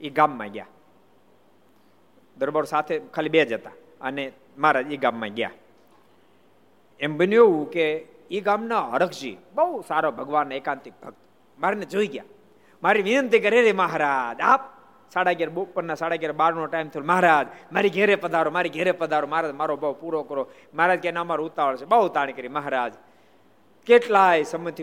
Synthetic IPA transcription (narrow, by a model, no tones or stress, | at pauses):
iɡamːã̰ɡja̰ | d̪əɾbaɾosat̪ʰekʰalibed͡ʒət̪a | əne | maɾad͡ʒiɡamːã̰ɡja̰ | embənjoʋũke | iɡamnaə̰ɽəkʰd͡ʒḭbəusaɾobʱəɡʋanːekãnt̪ɪk̚bʱəɡt̪ | maɾined͡ʒoiɡja̰ | maɾiʋɪnənt̪ikəɾeɾiməɦɾaːd͡ʒap̚ | saɽaɡeɾopənːasaɽaɡjaɾbaɾnoʈaimt̪ʰielməɦɾad͡ʒmaɾiɡʱɛɾepəd̪ʱaɾomaɾiɡʱeɾepəd̪ʱaɾoməɦɾad͡ʒmaɾobʱaʋpuɾokəɾo | məɦɾad͡ʒkenamaɾout̪aʋəɭt͡ʃʰebəut̪aɽ̃ikəɾiməɦɾad͡ʒ | keʈlajsəmət̪ʰi